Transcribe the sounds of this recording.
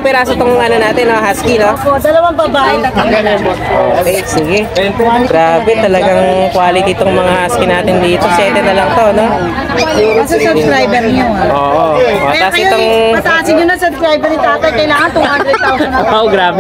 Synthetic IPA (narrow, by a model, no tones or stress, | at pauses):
pɛɾasɐt̪oŋʔɐnonaːt̪ɪnːoɦaskinopod̪ɐlɐwɐŋbɐbaːʔɛt̪at̪ɐɡɐnopoo̰ʔosiɡɛɐjɐnkaːlɪɡɾaːbɛt̪ɐlɐɡɐŋkwaːlɪt̪ɪt̪oŋmɐŋahaskinaːt̪ɪnd̪iːt̪osjɛːt̪ɛnɐlɐŋt̪o̞ɐno | ɡuːɾsɐsɐbskɾajbɛɾɲoʔoːʔoʔoɛaɪt̪oŋmɐt̪ɐasɪnɲʊnɐsɐbskɾajbɛɾnɪt̪aːt̪ɐjkɐjlaːŋɐnt̪ʊhanɾɛd̪awoɡɾaːbɛ